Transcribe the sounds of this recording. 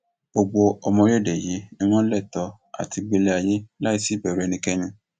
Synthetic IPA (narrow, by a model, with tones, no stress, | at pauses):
bo˧ɡ͡bo˧ɔ˧mɔ̃˧ɾe˦˨de˨ji˨˦nĩ˧w̃ɔ̃˦lɛ˦˨tɔ˧˦ | a̰˨ti˧ɡ͡be˧le˧a˧je˦la˦i˧si˦˨bɛ˨ɾu˨ɛ˧nĩ˧kɛ˦ɲĩ˧